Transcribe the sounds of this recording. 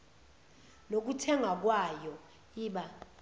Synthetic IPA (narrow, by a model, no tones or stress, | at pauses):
lok̬utʰɛŋak̬wajɔ | iːɓa